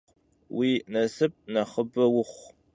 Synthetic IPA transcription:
wiːnɐsɨp̚ʼnɐχəbɐwʊχʷ

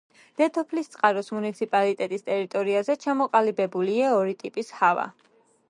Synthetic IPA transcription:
d̪̥ɛt̪ʰɔpʰlist̪sʼqʼaɾɔsmunit̪sʰipʼalit̪ʼɛt̪ʼist̪ʼɛɾit̪ʼɔɾiazɛt͡ʃʰamɔqʼalibɛbuliaɔɾit̪ʼipʼishava̰

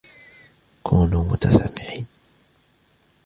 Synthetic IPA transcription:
kʰuːnuːmʊ̰t̪asamːɪʕiːn

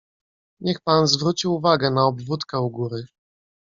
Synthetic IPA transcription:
ɲɛxpanzvɾut͡ɕiwuvaɡɛnaɔbvut̪kɛuɡuɾɘ

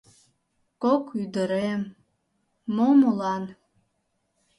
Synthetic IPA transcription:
kokʰyd̪əɾemː | omulɑn

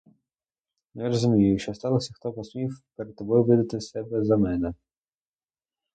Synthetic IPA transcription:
nɛɾɔzʊmʲijʊjʊʃt͡ʃɔst̪ɑlˠɔsʲɐxt̪ɔpɔsmʲiwpeɾed̪̚t̪ːɔbɔjʊʋɪd̪ɐt̪ɪsɛbɛzɐmɛnɛ

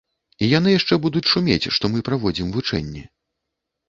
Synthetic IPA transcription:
ijan̪ɨjaʂt͡ʂɛbud̪ut͡sʲsumʲḛt͡sʲʂt̪ɔmɨpɾavɔd͡zʲimvut͡ʂɛ̰nʲːɛ

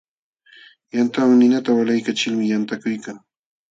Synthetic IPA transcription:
jant̪awaŋnɪnat̪awalajkat͡ʃɪlmɪjant̪akʊjkaŋ

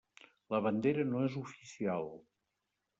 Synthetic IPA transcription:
ləβənd̪eɾənoezufisialˠ

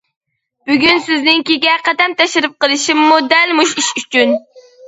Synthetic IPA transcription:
b̥yɡʲynsɪznɪŋkʲiɡʲɛqɑt̪ɛnt̪ʰɛʃɪɾɨp̚qəlˠɨʃimːud̪ɛlmuʃiʃyt͡ʃʰyn

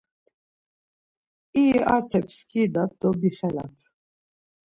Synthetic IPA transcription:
iːʔaɾt̪ʰɛpskʰiːd̪at̚d̪ɔb̪ixɛla̰t̪ʰ

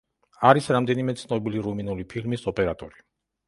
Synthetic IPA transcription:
aɾisɾamd̪ɛnimɛt̪sʰnɔbiliɾuminulipʰilmisɔpʼɛɾat̪ʼɔɾi

